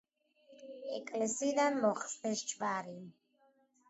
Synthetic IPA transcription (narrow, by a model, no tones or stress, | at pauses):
ɛkʼlɛsid̪anmɔχsmɛʃt͡ʃvaɾin